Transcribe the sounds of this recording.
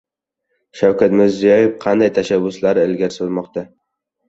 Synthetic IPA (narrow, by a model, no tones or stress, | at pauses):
ʃawkʰat̪mɪɾzijɒjefqʰɑnd̪ajt̪ʰaʃabːʊslaɾɪlɡʲaɾsɪlˠmɒqt̪a